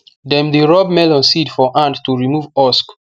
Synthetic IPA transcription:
dɛ̃mdeɹɔbmɛlɔ̃nsidfɔʔãndtuɹimuvɔsk

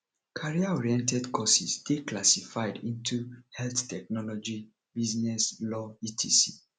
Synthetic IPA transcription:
kʰaɹiaɔɹiɛ̃ntɛdkʰɔsisdeklasifaɪdĩntʰuhɛlθtɛk̚nɔlɔd͡ʒi | biznɛslɔitʰisi

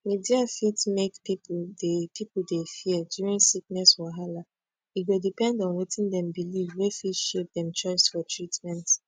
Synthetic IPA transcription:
midiafitmekpipdepipudefiədjuɹĩnsik̚nɛswaɦala | iɡodipɛ̃ndɔ̃nwitĩndɛ̃mbilivwefitʃep̚dɛ̃mt͡ʃɔɪsfɔtʰɹitmɛ̃nt

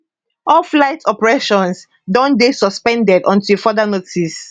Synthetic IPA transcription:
ʔɔlflaɪtʰɔpɹɛʃɔ̃ns | dɔ̃ndesɔspɛ̃ndɛdɔ̃ntʰufɔdanotʰis

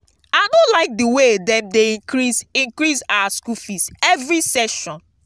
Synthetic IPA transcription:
anolaɪk̚diwedɛ̃mdeĩŋkɾisĩŋkɾisawaskufisɛvɹisɛʃɔ̃n

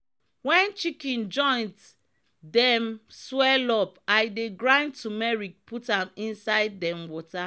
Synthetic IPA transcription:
wɛ̃nt͡ʃikɛ̃nd͡ʒɔ̃ɪ̃nt | dɛ̃mswɛlɔpaɪdeɡɹãɪ̃ntʰumɛɹik̚pʰutãnĩnsaɪdːɛ̃mwɔta

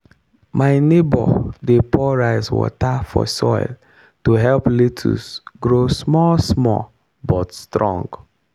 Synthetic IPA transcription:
maɪnebɔ̰depɔɹaɪswɔ̰tafɔ̰sɔɪl | tuɦɛlpletʰṵsɡɹosmɔsmɔ̰ | bɔtstɹɔ̰̃ŋɡ

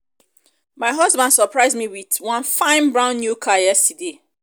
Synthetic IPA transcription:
maɪɦʌzbãndsəpʰɹaɪzmiwiθwʌ̃nfãɪ̃nbɹãʊ̃nːjukʰajɛstide

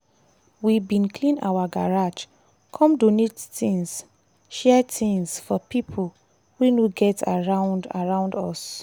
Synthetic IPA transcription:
wibĩnkʰlĩna̰waɡaɹad͡ʒ | kʰɔ̃mdonettĩŋs | ʃɛtĩŋsfɔpipʰol | wunoɡɛtaɹãʊ̃nda̰ɹãʊ̃ndɔs

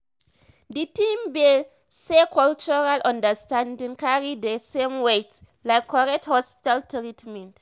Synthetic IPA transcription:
ditĩmbe | sekʰɔlt͡ʃuɹalʔãndəstãndĩŋkaɹidəsẽmwet | lajkʰːɔɹɛk̚thɔspi̥taltɹitmɛ̃nt

